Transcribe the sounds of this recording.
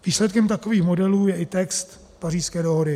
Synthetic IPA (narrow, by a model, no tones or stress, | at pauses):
viːslɛt̪kɛmt̪ako̞viːxmo̞dɛluːjɛʔɪt̪ɛkst̪ | pariːskɛːdoɦodɪ